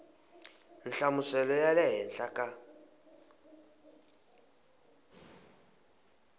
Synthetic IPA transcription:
n̩ɬamʊsɛlɔjalɛɦɛnɬakʼa

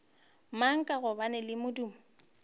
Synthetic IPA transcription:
maŋ̩kʼaɣʊbanɛlɪmʊduːmʊ

